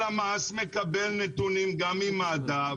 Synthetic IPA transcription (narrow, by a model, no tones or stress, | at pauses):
amaɐsmẽkɐbeːlnẽt̪unimɡaːmimaːd̪aː